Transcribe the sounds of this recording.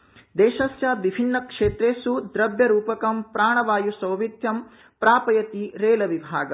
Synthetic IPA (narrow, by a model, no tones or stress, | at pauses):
d̪eːʃɐsjaːʋibʱinːɐkʂeːt̪ɾeːsud̪ɾɐbʱjɐɾuːpɐkɐmpɾaːɳɐʋaːjusɐwʋid̪ʱjɐm | pɾaːpɐjɐt̪iɾeːlɐʋibʱaːɡɐ